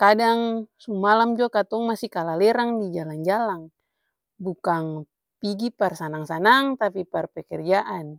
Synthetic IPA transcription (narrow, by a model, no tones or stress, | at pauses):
kadaŋsumalamd͡ʒuakat̪ɔŋmasikalalɛɾaŋdid͡ʒaland͡ʒalaŋ | bukaŋ | piɡiparsanaŋsanaŋt̪apiparpɛkɛrd͡ʒaʔan